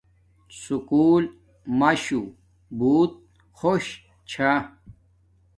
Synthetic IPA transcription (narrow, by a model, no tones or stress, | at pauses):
sukuːl | mɐɕu | buːt̪̚ | xoɕ | t͡ɕʰa